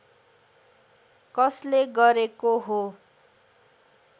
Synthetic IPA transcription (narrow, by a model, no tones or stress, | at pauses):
kʌsleɡʌɾekoɦo